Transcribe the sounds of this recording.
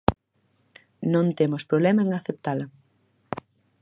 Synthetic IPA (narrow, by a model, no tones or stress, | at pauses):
nõnt̪emʊspɾoβlɛmɐeŋaθep̚t̪alɐ